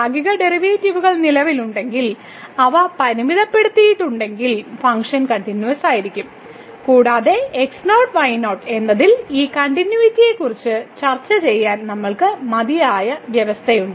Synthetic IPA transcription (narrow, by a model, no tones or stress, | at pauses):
aːɡiɣɐɖe̞riʋeːtːiʋuɣɐɭnilɐʋiluɳɖe̞ŋɡil | ɐʋɐpɐɾiʋiðɐpːe̞ɽut̪ːijiʈːuɳɖe̞ŋɡilfɐŋkʂɐnkɐɳʈinjuʋɐsaːjiɾikʲːum | kuːɽaːðe̞eksnoːʈʋɐjno̞ːʈe̞nːɐðiliːkɐɳʈinjuitːije̞kːurit͡ɕːɨt͡ɕɐrt͡ɕːɐt͡ɕe̞jːaːnnɐmːɐɭkɨmɐðijaːjɐʋjɐʋɐst̪ʰɐjuɳɖɨ